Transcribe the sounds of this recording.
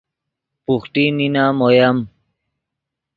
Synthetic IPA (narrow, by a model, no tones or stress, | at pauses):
puxʈ̪ininamojam